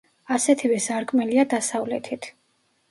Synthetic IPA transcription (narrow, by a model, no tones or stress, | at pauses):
asɛt̪ʰivɛsaɾkʼmɛliad̪asavlɛ̰t̪ʰit̪ʰ